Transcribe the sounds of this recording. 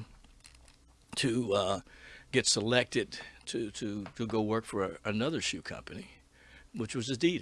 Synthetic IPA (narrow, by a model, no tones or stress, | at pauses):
tʰɨ | ɡ̥ɛtsəlɛk̚tɨd̚tʰɨɾɨɾɨɡoʊwɜ˞kfə˞ɨnʌðə˞ʃʉkʰʌ̰̃mpɨni | wɨt͡ʃwʌzɨdi